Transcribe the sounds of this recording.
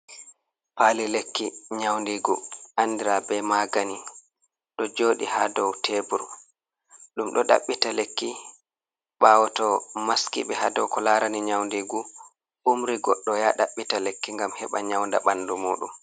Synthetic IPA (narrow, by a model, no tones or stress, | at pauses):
paːlilekːiɲawndiɡuʔandiɾabɛmaɡani | ɗɔd͡ʒoːɗihadɔwtʰebuɾ | ɗumɗɔɗa̰ɓːitalekːi | ɓaːwɔtɔmaskḭɓɛhadɔwkɔlaɾaniɲawndiɡu | ʔumɾiɡɔɗːɔjaɗaɓːitalekːiŋɡamhɛɓaɲawndaɓanːdumuːɗṵm